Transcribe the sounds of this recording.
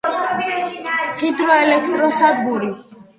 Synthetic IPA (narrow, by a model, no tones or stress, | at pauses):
χit̪ɾɔɛlɛkʰɾɔsad̪ɡuɾi